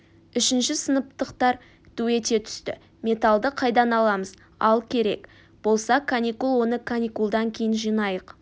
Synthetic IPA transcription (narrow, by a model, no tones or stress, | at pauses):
ʏʃɪnʃɪsənəp̚t̪əqt̪ɑɾ | t̪ʰʉwe̞t̪e̞t̪ʰʏ̥st̪ɪ̰ | mʲe̞t̪alˠd̪əqʰɑjd̪ɑnɑlˠɑməz | ɑ̰lˠkʲʰe̞ɾe̞̰k | b̥o̞lˠsɑkʰanikulˠwo̞nəkʰanʲikulˠd̪ɑŋkʲʰe̞jɪnʒijnɑjəq